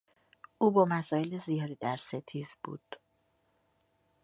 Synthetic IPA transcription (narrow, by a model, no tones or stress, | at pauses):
uːbɒːmæsɒːje̞lezijɒːd̪id̪æɾse̞t̪ʰiːzb̥ṵːd̪̥